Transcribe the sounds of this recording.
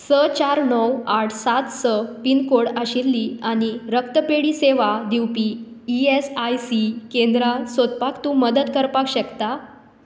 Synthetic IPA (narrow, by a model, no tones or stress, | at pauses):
sət͡ɕaɾnəwaʈʰsat̪səpinkoɽaɕilːiaɽ̃iɾək̚t̪əpeɽiːseʋad̪iwpiː | iesajsikẽnd̪ɾasot̪pakt̪ũːməd̪əd̪kəɾpakɕəkt̪a